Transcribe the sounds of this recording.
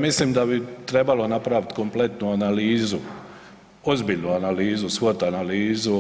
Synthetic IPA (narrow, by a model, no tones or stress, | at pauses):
misliːmd̪abit̪ɾe̞balo̞napɾaʋit̪ko̞mple̞t̪nuanaliːzu | o̞zbiːʎnuanaliːzusʋot̪analiːzu